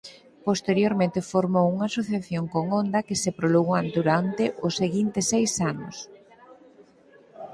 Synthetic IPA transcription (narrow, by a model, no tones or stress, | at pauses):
post̪eɾjoɾmẽnt̪ɪfoɾmowuŋasoθjaθjoŋkoŋond̪ɐkɪsepɾoloɣand̪uɾant̪ɪʔʊseɣint̪ɪsejsanʊ̰s